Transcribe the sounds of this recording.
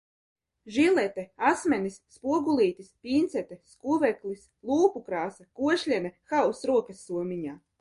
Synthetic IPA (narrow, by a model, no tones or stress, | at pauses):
ʒilʲɛt̪ɛasmʲɛnisːpuɔɡulˠiːt̪ispʲiːnt̪sɛt̪ɛskuvɛklis | lˠuːpukɾaːsakuɔʃlʲɛnɛxawsɾuɔkɐsːuɔmʲiɲaː